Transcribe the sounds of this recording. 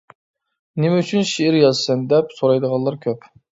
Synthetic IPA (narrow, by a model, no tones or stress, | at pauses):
nemɛyt͡ʃʰynʃeɪɾjɑzsɨnd̪ɛpsoɾɑjd̪əʁɑnlˠɑɾkʲʰøp